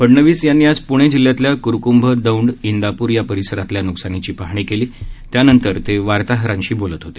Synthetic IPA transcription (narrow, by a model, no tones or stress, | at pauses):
pəɽɳəʋiːsjanːiːad͡zpuɽ̃ed͡ʑilːjat̪ljakuɾkumbʱəd̪əwɳɖind̪apuːɾjapəɾisəɾat̪ljanuksanit͡ɕiːpaɦɳ̃iːkeliːt̪janənt̪əɾt̪eʋaɾt̪aɦɾãɲɕiːbolət̪ɦot̪e̥